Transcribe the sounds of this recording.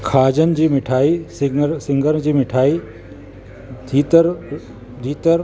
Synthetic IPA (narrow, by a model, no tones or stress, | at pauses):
kʰaːd͡ʑənɪ̆d͡ʑiːmɪʈʰaːisɾsɪ̃ŋɡəɾd͡ʑiːmɪʈʰaːiː | d̪ʰʱiːt̪əɾ | d̪ʱiːt̪əɾ